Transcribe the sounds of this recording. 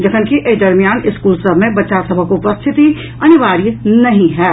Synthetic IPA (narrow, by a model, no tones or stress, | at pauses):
d͡ʒɐkʰənkiʔed̪ɐɾmijaːnɪskuːlsəbʱmẽbɐtːʃasɐbʱəkopəst̪ʰɪt̪i | ɐnɪʋaːɾinɐɦĩɦɛː